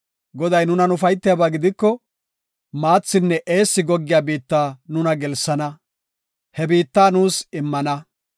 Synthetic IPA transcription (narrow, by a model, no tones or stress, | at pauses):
ɡɔd̪ɐjnʊnɐnʊfɐjt̪ːɪjabaːɡɪd̪ɪkːɔ | maːt͡sːɪnːɛʔeːsːɪɡɔɡːɪjaːbiːt̪ːaːnʊnɐɡɛlsːɐnɐ | hɛbiːt̪ːaːnuːsɪmːɐnɐ